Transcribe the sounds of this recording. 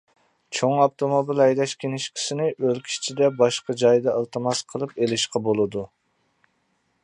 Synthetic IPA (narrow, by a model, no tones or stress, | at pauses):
t͡ʃʰoŋɑpt̪omobilɛjd̪ɛʃkʲenɪʃkʲʰɪ̥sɪnɪʔølkʲʰi̥ʃt͡ʃʰid̪ɛbɑʃqɑd͡ʒɑjd̪ɑəlˠt̪ɨmɑsqʰəlˠɨpelɪʃqɑbolˠɨd̪u